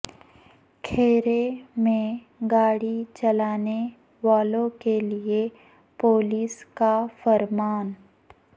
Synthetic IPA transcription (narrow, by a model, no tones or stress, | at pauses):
kʰeːɾemẽ | ɡaːɽit͡ʃɐlaːne | ʋaːlõkelie | poːliːskafɐɾmaːn